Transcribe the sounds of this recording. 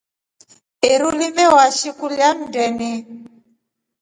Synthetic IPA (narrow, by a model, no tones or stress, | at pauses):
eɾulimɛwaʃikuljam̩dɛni